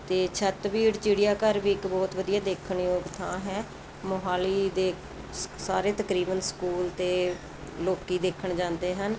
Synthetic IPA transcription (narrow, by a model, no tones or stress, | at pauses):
t̪eːt͡ʃʰət̪biːɽt͡ʃɪɽɪjaːkəɾʋiːɪkbɔːt̪ʋəd̪ijaːd̪eːkʰəɳjoːɡt̪ʰãːɦɛː | moɦaːliːd̪eː | saːɾeːt̪əkɾiːbənsə̥kuːlt̪eː | loːkːiːd̪eːkʰəɳd͡ʒãːnd̪eːɦən